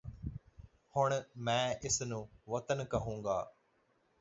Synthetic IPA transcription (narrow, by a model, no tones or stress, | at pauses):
hʊɳ̃mɛ̃ːʔɪsnũːʋɐt̪ənkɐɦũːŋɡa̰ː